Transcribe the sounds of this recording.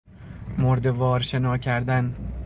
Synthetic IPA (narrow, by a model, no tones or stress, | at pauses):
moɾd̪evɒːɾʃenɒːcʰæɾd̪æn